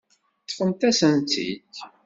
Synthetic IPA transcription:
t͡sːfəmt̪æsənt̪ːḭt̪

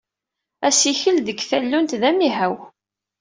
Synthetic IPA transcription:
æsiçəlðəɡθælːunt̪ðæmiɦæw

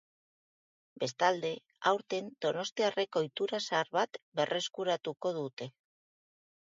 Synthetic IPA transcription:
be̞st̪ald̪e̞ | a̰wɾt̪e̞nd̪̥o̞no̞st̪iare̞ko̞jt̪uɾasaɾβat̪be̞re̞skuɾat̪uko̞ð̞ut̪e̞

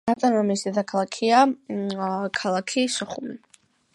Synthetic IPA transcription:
at̪ʼanamisd̪ɛd̪akʰalˠakʰia | kʰalˠakʰiʃɔχumi

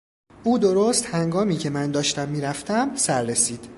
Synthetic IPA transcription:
ʔuːd̪oɾost̪hæŋɡɒːmiːcʰe̞mænd̪ɒːʃt̪æmːiːɾæft̪ʰæmsæɾːe̞siːd̪̥

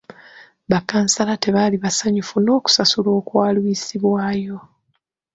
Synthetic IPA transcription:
βakːaːnsalate̞βaːliβasaɲufuno̞ːku̥sasulo̞ːkwaːlwisiβwaːjo̞

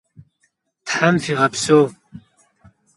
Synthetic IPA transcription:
t̪ʰħamfiʁapʰsoː

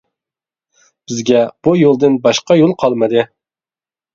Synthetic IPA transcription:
b̥ɪzɡʲɛb̥ujolˠd̪ɨnbɑʃqɑjolˠqʰɑlˠmɨd̪ɨ

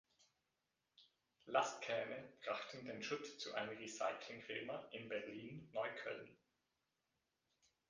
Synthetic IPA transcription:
lastkʰɛːməb̥ʁaχtn̩deːnʃʊt͡st͡suʔaɪnəmʁisa̰ɪkʰlɪŋfɪlmɐʔɪnbɛʁliːnːɔʏkʰœ̰ln

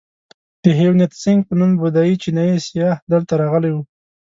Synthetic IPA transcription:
d̪̥əɦewnet̪sɪŋɡ̚pənumbʊd̪ɑjit͡ʃinɑjisjɑhd̪əlt̪aɾaɣəlajwu

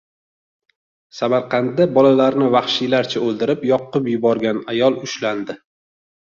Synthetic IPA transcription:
samaɾqʰɑnd̪abɒlalaɾnɪvɑχʃilaɾt͡ʃʰaolˠd̪ɪɾɪpjɒqːɨpjʊbɒɾɡʲanajɒlˠʊʃland̪ɪ

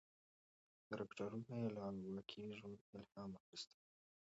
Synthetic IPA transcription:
d̪̥əɾɪkʈaɾunaelɑnwakʰiʒwand̪ɪlhɑmaxist̪ə̥

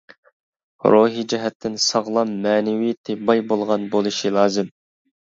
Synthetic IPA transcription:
ɾoɦid͡ʒɛɦɛt̪ʰːɪnsɑʁlˠɑmːɛːnɪwit̪ʰɪbɑjbolˠʁɑnbolˠɨʃilˠɑːzɨm

